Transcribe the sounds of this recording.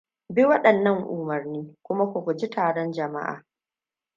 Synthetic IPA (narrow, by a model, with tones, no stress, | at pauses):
bi˦wɐ˦ɗɐ˨nːɐ˦˨ŋʔʊ˨mɐ˨rniː˦kʷʊ˦ma˦kʷʊ˨kʷu˨d͡ʒi˦tʰaː˨ɽɔ˦nd͡ʒɐ˨ma̰˦ʔa̰ː˨